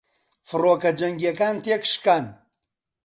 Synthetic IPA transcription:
fɨroːkɐd͡ʒɐŋɡiekaːnt̪eːkʃkaːn

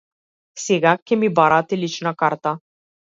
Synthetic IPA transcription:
seɡakʲɛmibaɾat̪ɛlit͡ʃnakaɾt̪a

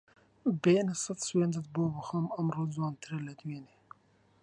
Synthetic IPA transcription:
beːnesɐt̪sweːnd̪ɐt̪̚boːbɨxomɐmroːzwɑːnt̪ʰɨɾelɐd̪weːne

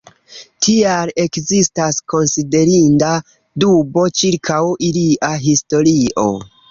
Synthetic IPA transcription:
tʰiale̞kzistasko̞nside̞ɾinda | dubo̞t͡ʃiɾkʰawiliʔaɦisto̞ɾiʔo̞̰

